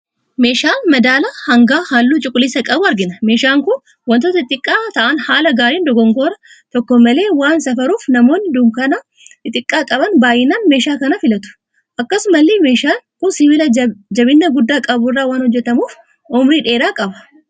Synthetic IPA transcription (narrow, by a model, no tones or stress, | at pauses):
me̞ːʃaːmɐd̪aːlɐhɐŋɡaːhaːlːuːt͡ʃʼʊkʼːʊlːɪsɐkʼɐbʊɐɾɡɪnɐme̞ːʃaːŋkʊn | wɐnt̪oːt̪ɐt̪ʼːɪkʼːaːt̪ɐʔanhaːlɐɡaːɾiːnd̪ɔɡɔŋɡoːɾɐ | t̪ɔkːɔmːɐle̞ːwaːnsɐfɐɾuːfnɐmo̞ːnːɪd̪ʊmkɐnɐ | ɪt̪ʼɪkʼːaːkʼɐbɐnbaːjɪnaːnmeːʃaːkɐnɐfɪlɐt̪ʊ̥ | ʔɐkːɐsʊmɐlːeme̞ːʃaːŋkʊnsɪvɪlɐd͡ʒɐbɪnːɐɡʊd̪ːaːkʼɐbʊrːaːwaːnhɔd͡ʒːɛt̪ɐmuːf | ɔmɾiːᶑe̞ːɾaːkʼɐbɐ̥